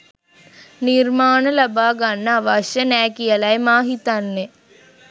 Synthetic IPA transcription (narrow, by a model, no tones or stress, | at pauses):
nirmaːnəlabaːɡanːəaʋaʃjənɛːkijəlajmaːɦit̪anːe